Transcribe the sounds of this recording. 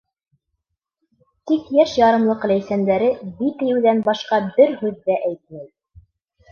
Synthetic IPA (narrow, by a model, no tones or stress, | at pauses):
t̪ikjæʃjɑɾɤ̆nlˠɤqlæjsænd̪æɾɘbit̪ɘ̆jɘ̆wðænbɑʃqɑbɘɾhʉðːæʔæjt̪̚mæj